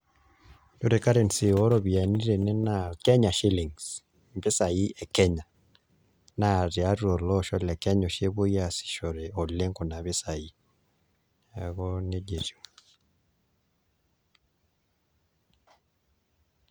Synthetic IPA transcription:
do˦˨ɾe˨ka˦ɾe˨nsi˨ɔ˦ɾɔ˦bi˨a˨ni˦ɾe˨nɛ˦na˨kɛ˦ɲa˨ʃi˦li˨ŋs | mbe˦sa˨ji˦ɛ˨kɛ˦ɲa˨ | na˦˨ɾɛ˨a˦ɾɔ˨lɔ˦ʃɔ˦lɛ˨kɛ˦ɲɔ˨ʃe˦βo˦ja˦˨si̥˨ʃɔ˨ɾe˨ɔ˨le˦ŋkɔ˨na˨βe˦sa˨i˨ | ɛ˨ɡɔ˦ne˦d͡ʒe˨ɾi˨o˨

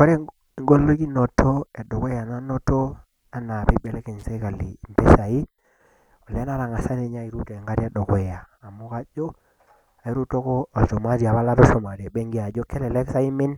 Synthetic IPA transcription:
ko˦ɾe˦˨ | ŋɡo˦lːo˦ki˦no˨tʰo˦e˨do˨ka˨na˦no˦to˦ | a˦na˨pe˦be˨le˦ke˨nse˦ka˨lḭ˨mpe˦sa˨i˦ | o˨le˦na˦ɾa˨ŋa˨sa˦ne˨ɲa˦i˨ɾu˦te˨ŋɡa˦ɾi˦a˦do˨ko˨jaː˨mu˦ka˦d͡ʒo˦ | a˨i˦ɾu˦to˦ko˦a˨ʃo˨ma˦ɾi˨a˨βa˦la˦tɔ˦ʃo˨ma˨ɾi˨e˨be˦ŋɡi˦a˨d͡ʒo˦ke˦lɛ˨le˦ksa˦i˦me˦n

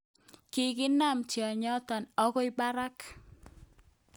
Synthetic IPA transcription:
ki˨ɡɪ˦na˦˨mt͡ʃɔ˨ɲɔ˦tɔ˨nɔ˦kɔ˦ɪ˦ba˦ɾa˦k

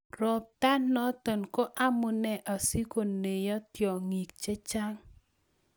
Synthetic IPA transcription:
rɔ˨p̚t̪a˦nːɔ˦tɔ˨nko˦ʔa˦mʊ˨nɛ˨ʔa˨si˦ko˨ne˨jɔ˦tjɔ˨ŋi˨kt͡ʃe˦t͡ʃa˦ŋ

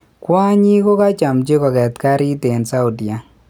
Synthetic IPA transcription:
kwa˦ɲi˦ko˦ka˦t͡ʃa˨mt͡ʃe˦kɔ˨kɛ˨tka˦ɾi˦te˨nsa˦u˨di˨a˨

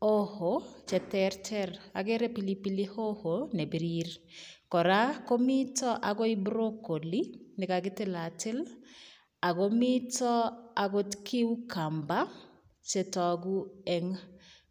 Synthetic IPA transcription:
o˦ho˨t͡ʃɛ˨tɛɾtʰɛ˦ɾa̰˨ɡe˦ɾɛ˦pi˨li˦pilɪ˦ho˦ho˨ne˨bi˨ɾiɾ | kɔ˨ɾa˦ko˦mi˦tɔ˦ʔa˨ɡo˦ibɾo˦ko˨li˦nɪ˨ka˨ɡɪ˦tɪ˦la˨tɪ˦l | a˨ɡo˦mɪ˦tɔ˦a˨ɡo˦tkʰi˦wu˦ka˨mba˦ | t͡ʃe˨tɔ˨ɡu˦ɛ˨ŋ

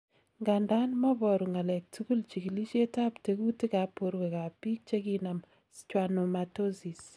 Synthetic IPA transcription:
ŋɡa˨nda˦nmɔ˦bɔ˨ɾu˨ŋa˨lɛ˨k̚tu˦ku˦lt͡ʃi˨ki˨li˦ʃe˦ta˦pte˨˦ɡu˦ti˦ka˨˦po˦ɾwe˨ka˨pi˦k̚t͡ʃe˦ɡi˦na˨m | t͡ʃwa˨no˨ma˨to˦zi˨s

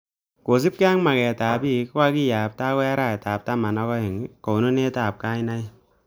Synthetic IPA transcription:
ko˨s̬i˦p̚ka˦ŋma˨kɛ˨ta˨bi˦kwa˦ki˦ja˨p̚ta˦wɛ˦ɾa˦˨jta˨p̚ta˦ma˨na˦kɔ˦ɛ˨ŋ˦ko˨no˦ne˦ta˨p̚ka˦ɪ˦na˦j

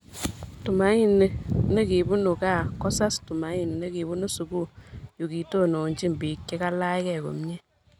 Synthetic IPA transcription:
tu˨ma˨˦ɲi˦ne˨ne˦ki˨bu˦nu˨ka˦˨kɔ˦sa˦stu˨ma˨˦ɲi˨n˨ne˦ki˨bu˦nu˦su˨ku˦jo˨ki˨to˦˨no˨ɲt͡ʃi˦m˨bi˨kːɛ˦ka˦la˦ɪ˦kɛ˨ko̰˨mɲe˦

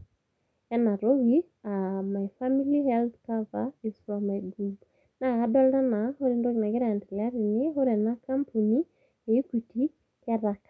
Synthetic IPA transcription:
ɛ˦na˨ɾo˦ɣi˦ | a˨ma˨jfa˦mi˦lihɛlθkavai˨swa˨ma˨jɡub | na˨adɔ˦lɾa˦na˨ho˦ɾindo˦ɣi˨na˨kɛ˦ɾa˨ɛ˨ndi˨la˦ɾi˨ne˦ɦo˦ɾɛ˨na˦kampʰu˨ni˦ | e˨i˦ku˨ti˦ | kɛ˦ɾa˨k

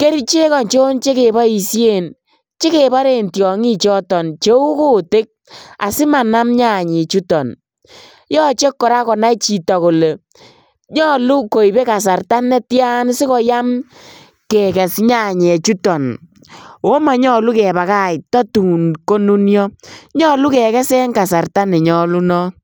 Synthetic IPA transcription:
ke˦ɾi˦t͡ʃe˦kɔ˨nt͡ʃo˦nt͡ʃe˦ke˨ba˦i˨sje˦˨n | t͡ʃe˦ke˨ba˦ɾe˨ntjɔ˨ŋi˦t͡ʃɔ˦tɔ˨nt͡ʃe˦u˦ko˦te˦k̚a̰˨sɪ˦ma˨na˦mɲa˦˨ɲe˨t͡ʃu˦tɔ˨n | jɔ˦t͡ʃe˦kːɔ˨ɾa˦kɔ˨na˦it͡ʃi˨tɔ˨ko˨le˨ | ɲɔ˦lu˦ko˨i˨be˦ka˨s̬a˨rta˦nːɛ˦tja˦nsi˦kɔ˦ja˦m | kɛ˨kɛ˨sɲa˦˨ɲɛ˨t͡ʃu˦tɔ˨n | o˦ma˨ɲɔ˦lu˦kɛ˨ba˨ka˦i˨tɔ˦tu˨nko˦nu˦njɔ˦ɲɔ˦lu˦kɛ˨kɛ˦sɛ˦ŋka˨sa˨rta˦ne˨ɲɔ˦lu˦nɔ˦

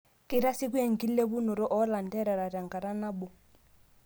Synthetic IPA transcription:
kʼi˦ɾa˦si˦ku˦e˦˨ŋ̩˨ki˦lle˦bu˦nɔ˨ɾɔ˦ʔɔ˦la˨n̩˨dɛ˦ɾɛ˨ɾa˨ɾa˨ŋɡa˨ɾa˦na˦bɔ˨

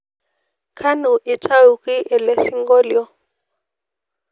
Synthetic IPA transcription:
kʰa˦nu˨ʔi˨t͡ʃʼa˦u˨ki˦ʔɛ˨lɛ˦si˦ŋɡɔ˦ljɔ˦

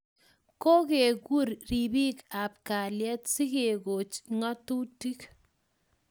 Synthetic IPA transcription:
ko˦ke˨ku˦ɾɾi˨bi˦ka˨p̚ka˨ljɛ˦tsi˦ke˨ɡo˨t͡ʃŋɔ˦tu˦ti˦k

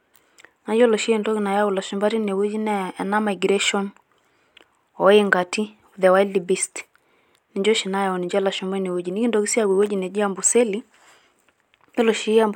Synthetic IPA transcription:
na˨d͡ʒɔ˦lɔ˨ʃi˦ɛ˨ndɔ˦ki˨na˨ja˦u˨la˨ʃu˨mba˦ɾi˦ne˨we˦d͡ʒi˦nɛː˦˨na˦ma˨jɡɾɛ˦ʃɔ˦n | ɔ˨˦e˦ŋɡa˨ti˦ | u˨ðɛ˨wa˦i˦li˨bi˦st | ni˨ɲd͡ʒɔ˦ʃi˨na˦ja˨ɔ˨ni˨ɲd͡ʒɛ˦la˨ʃu˨mbɛ˦ne˨we˦d͡ʒi˨ni˦ki˦ndɔ˨˦ki˦si˦a˨wi˨we˦d͡ʒi˨nɛ˨d͡ʒi˦a˦mbu˨sɛ˦li˦ | jɔ˦lɔ˨ʃi˦a˦mb

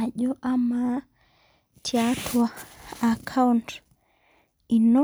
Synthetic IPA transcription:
a˨ʄɔ˦ʔa˦ma | tʰjatʰwaː˨kʰa˦unt | i˨nɔ˦

